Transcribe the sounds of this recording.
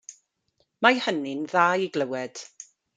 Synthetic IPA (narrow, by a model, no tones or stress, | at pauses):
majhənɪnðaːjiɡləwɛd̥